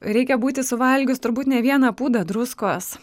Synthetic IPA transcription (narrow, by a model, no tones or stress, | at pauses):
ɾʲɛɪkʲɛbuːt̪ʲɪsʊʋɐlʲɡʲʊst̪ʊɾbuːt̪nʲɛʋʲiɛnɐpuːd̪ɐd̪ɾʊskoːs